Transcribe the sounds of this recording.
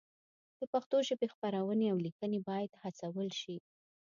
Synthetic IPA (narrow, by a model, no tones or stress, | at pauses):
d̪̥əpaxt̪oʒəbexpaɾawəneawlikənebɑjad̪hat͡sawəlʃi